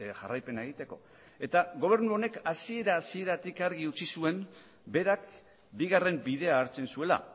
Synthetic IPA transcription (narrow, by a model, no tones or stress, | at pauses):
ʝa̰rajpe̞naeɣ̞it̪e̞ko̞ | e̞t̪aɣo̞β̞e̞ɾnuo̞ne̞kasie̞ɾaːsie̞ɾat̪ikaɾɣ̞iut͡sisue̞m | be̞ɾak | biɣare̞mbiðe̞aːɾt͡se̞nsue̞la̰